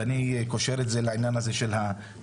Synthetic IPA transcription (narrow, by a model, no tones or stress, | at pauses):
anikoʃe̞ʁetzelaʕinjanazeʃelha